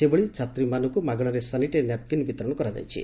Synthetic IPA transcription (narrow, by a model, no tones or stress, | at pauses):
seboɭit͡ʃʰat̪ɾimanukumaɡɔɽ̃ɔɾesaniʈenjap̚kinibit̪ɾɔɽ̃ɔkɔɾad͡ʒa̰jt͡ʃʰḭ